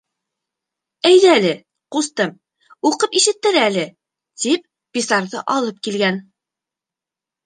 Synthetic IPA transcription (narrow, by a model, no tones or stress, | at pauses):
æjðɘælɘ | qust̪ɤm | uqɤpiʃɘ̆t̪ːɘɾælɘ | t̪ip̚ | bisɑɾðɤʔɑlˠɤp̚kilɡæn